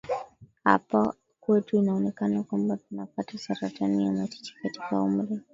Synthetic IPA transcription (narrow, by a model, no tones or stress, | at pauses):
ha̰pa | kwɛtuinaɔnɛkanakwambatunapatasaɾatʰanijamat͡ʃɛ̥t͡ʃi̥kati̥kaum̩ɾɛ